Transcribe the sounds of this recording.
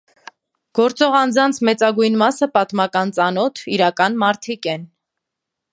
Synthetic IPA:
ɡ̥ɔɾt͡sɔʁɑnd͡zɑnt͡sʰmɛt͡sɑɡujnmɑsəpɑt̪mɑkɑnt͡sɑnɔt̪ʰiɾɑkɑnmɑɾt̪ʰikɛn

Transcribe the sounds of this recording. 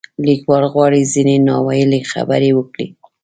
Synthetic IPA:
likwɑlɣwɑɽizinenɑwajəlexa̰bəɾewəkɽḭ

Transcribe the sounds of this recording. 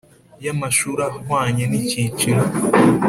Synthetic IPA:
jamaʃuɾahwaːɲenicit͡ʃiɾa

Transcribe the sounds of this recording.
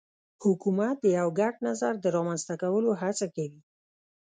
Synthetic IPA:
hʊkumat̪̚d̪əjawɡaɖnazaɾd̪əɾɑmanzt̪akawəloɦat͡sakawi

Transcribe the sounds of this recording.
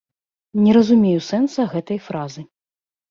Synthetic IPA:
nʲɛɾɐzumʲejusɛnsɐɣɛt̪ɐjfɾazɨ

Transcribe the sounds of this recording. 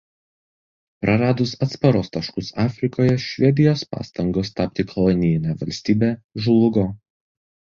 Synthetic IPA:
pɾɐɾɑːd̪ʊsɐt̪spɐɾoːst̪ɐʃkʊsɑːfʲɾʲɪkoːjɛʃʲʋʲɛd̪ʲɪjoːspɑ̰ːst̪ɐŋɡoːst̪ɑpʲt̪ʲɪkʰɔlˠɔnʲɪjɪnʲɛʋɐlʲsʲt̪ʲiːbʲeːʒʊlˠʊɡoː

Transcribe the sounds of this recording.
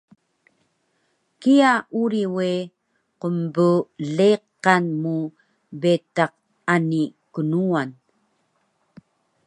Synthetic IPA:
kiaʔuɾiwe | qəmbəleqːanmu | bet̪aq̚ | anikənuan

